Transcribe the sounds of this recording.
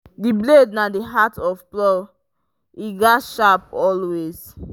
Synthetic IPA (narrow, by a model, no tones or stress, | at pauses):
diblednadiɦatʰɔfplɔ | iɡɔtʃapɔlwez̥